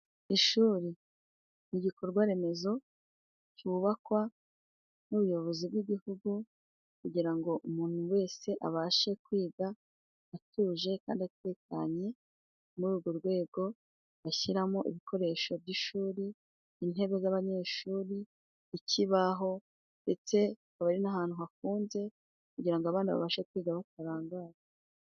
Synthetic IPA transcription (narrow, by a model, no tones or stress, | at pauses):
iʃuːɾi | niɟiko̞ɾɡwaɾe̞me̞zo̞ | cuβakwa | nuβujo̞βo̞zibɡiɟihuɡu | kuɟiɾaŋɡo̞ʔumuːn̥huwe̞ːse̞ʔa̰βaʃe̞kwiːɡaː | tuːʒe̞kaːndiate̞ːka̰ɲe̞ | muɾuːɡo̞ɾɡwe̞ːɡo̞ | βaçiɾamoʔḭβikʰo̞ɾe̞ʃo̞bɟiʃuːɾi | in̥ɦe̞βe̞zaβaɲe̞ʃuːɾi | iciβaɦo̞ | nde̞t͡se̞kaβaɾinaɦaːn̥huɦafuːnze̞ | kuɟiɾaŋɡoaβaːndiβa̰βaʃekwiːɡaβat̚aɾaːŋɡaːɾe